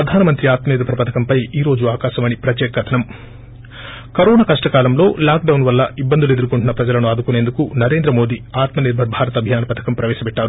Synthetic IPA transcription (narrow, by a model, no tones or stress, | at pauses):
pɾɐd̪ʱaːnɐmɐnt̪ɾiaːt̪mɐed̪ɐpɐɾɐpɐt̪ʰɐkɐmpɐjiːɾo̞ːd͡ʒuaːkaːʃɐmɐnipɾɐt̪jɛːkɐkɐt̪ʰɐnɐm | kɐɾoːnaːkɐʂʈɐkaːlɐmlo̞ːlaːk̚ɖɐwnʋɐlːɐʔibːɐnd̪ulue̞d̪uɾukuɳʈunɐpɾɐd͡ʒɐlɐnuaːd̪ukune̞ːnd̪ukunɐɾe̞ːnd̪ɾɐmo̞ːd̪iaːt̪mɐniɾbʱɐɾbʱaːɾɐt̪ɐbʱjaːnɐpɐt̪ʰɐ̥kɐmpɾɐʋɛːʃɐpɛʈːaːɾu